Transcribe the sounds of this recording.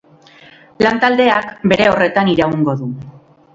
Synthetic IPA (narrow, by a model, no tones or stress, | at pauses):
lant̪ald̪e̞akbe̞ɾe̞o̞re̞t̪aniɾauŋɡo̞ðu